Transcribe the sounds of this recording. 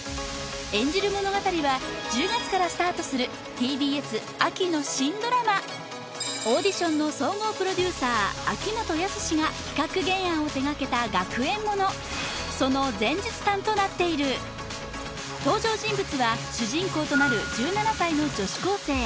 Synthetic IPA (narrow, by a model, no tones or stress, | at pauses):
ẽ̞ɲ̟d͡ʑiɾɯ̟mo̞no̞ɡat̪aɾʲiβad͡ʑɨːɡat͡sɨ̥kaɾasɨ̥t̪aːt̪o̞sɨɾɯ̟ | t̪ʲiːbʲiːe̞sɨ | akʲino̞ɕĩnd̪o̞ɾama | oːd̪ʲiɕõ̞nːo̞so̞ːŋo̞ːpɯ̟ɾo̞d̪ʲɨːsaːakʲimo̞t̪o̞jasɨ̥ɕiɡaçʲi̥kakɯ̟ɡẽ̞ɰ̃ãɰ̃o̞t̪e̞ɡake̞t̪aɡakɯ̟ẽ̞mːo̞no̞ | so̞no̞zẽ̞ɲ̟d͡ʑit͡sɨ̥t̪ãnt̪o̞nat̪ːe̞iɾɯ̟ | t̪o̞ːʑo̞ːʑĩmbɯ̟t͡sɨβaɕɨʑĩŋko̞ːt̪o̞naɾɯ̟d͡ʑɨːnanasaino̞d͡ʑo̞ɕi̥ko̞ːse̞ː